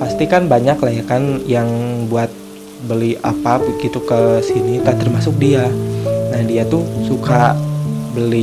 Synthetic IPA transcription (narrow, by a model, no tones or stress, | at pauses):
past̪ikanbaɲaklaakanjaŋbuat̪̚ | bəliapabəɡit̪ukəsinit̪at̪ərmasʊk̚dianahdiat̪usuka | bəli